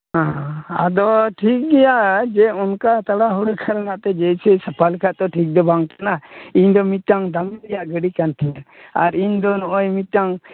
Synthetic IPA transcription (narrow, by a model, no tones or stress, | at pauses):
ɦãad̪ɔʈʰik̚ɡɛjaʔd͡ʒɛɔnkat̪aɽaɦuɽkʰaɾanaʔt̪ɛd͡ʒɛjsɛsapʰalkʰaʔt̪ɔʈʰik̚d̪ɔbaŋkanaiɲd̪ɔmit̪̚ʈaŋd̪amd̪ɛjaʔɡəɽikantʰɛjaaɾiɲd̪ɔnɔʔɔjmit̪̚ʈaŋ